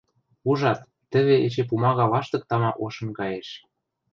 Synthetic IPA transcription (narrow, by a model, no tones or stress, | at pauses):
uʒɑt̪ːə̆βeʔet͡ɕep̬umɑɣɑlɑʃt̪ɤ̆k̚t̪ɑmɑʔoʃɤ̆mɡɑjeʃ